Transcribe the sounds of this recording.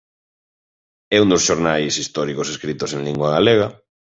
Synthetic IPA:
ɛund̪osʃoɾnajsist̪ɔɾikoseskɾit̪osẽŋliŋɡwaɣaleɣ̞a

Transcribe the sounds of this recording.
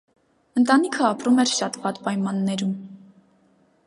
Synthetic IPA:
ənt̪ɑnikʰəɑpɾumɛɾʃɑt̪vɑt̪pɑjmɑnːɛɾum

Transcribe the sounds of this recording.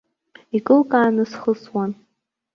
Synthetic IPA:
ikʼɨlkʼaːnɨsχəswan

